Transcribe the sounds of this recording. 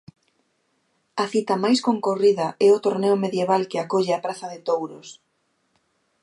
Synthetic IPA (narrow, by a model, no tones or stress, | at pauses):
ɐθit̪ɐmajskoŋkoriðɐʔɛʊt̪oɾnɛʊmeðjeβalkɪakoʎɪapɾaθɐðɪt̪owɾʊs